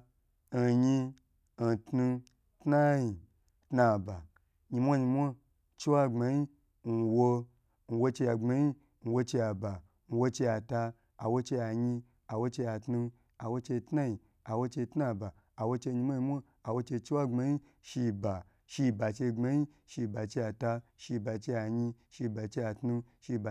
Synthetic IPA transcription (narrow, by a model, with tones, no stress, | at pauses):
ɲi˧˨ | tnu˧ | tna˦ji˨ | tna˧ba˨ | ɲi˧mʷo˦ɲi˧mʷo˦ | t͡ʃe˦wa˦ŋ͡ma˧ji˦ | n̩˨˧wo˧ | n̩˨˧wo˧t͡ʃe˧ja˧ŋ͡ma˧ɲi˦ | n̩˧wo˧t͡ʃe˧ja˧ba˨ | n̩˧wo˧t͡ʃe˧ja˧taː˧˨ | wo˧t͡ʃe˧ja˨ɲi˧ | a˨wo˧t͡ʃe˧ja˧tnu˧ | a˨wo˧t͡ʃe˧tna˦ji˨ | a˨wo˧t͡ʃe˧tna˧˨baː˨wo˧t͡ʃe˧ɲi˧mʷ˦o˦ɲi˧mʷo˦ | a˨wo˧t͡ʃe˧t͡ʃi˦wa˦ŋ͡ma˧ji˦ | ʃi˧ba˨ | ʃi˧ba˨t͡ʃe˧ŋ͡ma˧ji˦ | ʃi˧ba˨t͡ʃe˧ja˧ta˧ʃi˧ba˨t͡ʃe˧ja˧ɲi˧ | ʃi˧ba˨t͡ʃe˧ja˧tnu˧ʃi˧ba˨